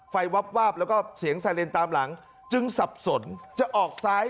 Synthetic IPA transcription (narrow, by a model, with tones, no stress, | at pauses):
fa˧jwa˦˥p̚waː˥˩p̚lɛː˦˥wkɔː˥˩si˩˦əŋsaː˧jle˧nt̪aː˧mla˩˦ŋ | t͡ɕɯ˧ŋsa˨˩p̚so˩˦nt͡ɕa˨˩ʔɔː˨˩k̚saː˦˥j